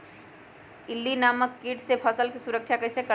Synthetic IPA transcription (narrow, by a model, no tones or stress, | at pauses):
ɪlːinaːməkːiʈsepʰəsəlkisuɾəkʃʰjakəsekə